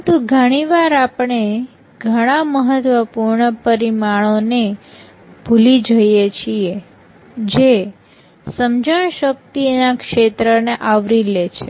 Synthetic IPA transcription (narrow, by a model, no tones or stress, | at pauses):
t̪uɡʱəɽ̃iʋaɾapɳe | ɡʱəɽ̃aməɦət̪ʋəpuɾɳəpəɾimaɭ̃one | bʱulid͡ʒəjet͡ʃʰie | d͡ʒe | səmd͡ʒəɳʃək̚t̪inakʃet̪ɾəneʔaʋɾilet͡ʃʰe